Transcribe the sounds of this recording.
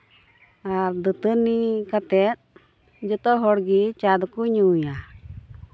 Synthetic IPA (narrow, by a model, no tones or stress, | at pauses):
aɾd̪ət̪ənikat̪ɛt̪̚ | d͡ʒɔt̪ɔɦɔɽɡit͡ʃad̪ɔkuɲuja